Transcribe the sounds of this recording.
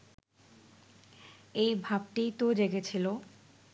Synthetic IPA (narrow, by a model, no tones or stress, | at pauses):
ejbʱabʈit̪od̪eɡet͡ɕʰilo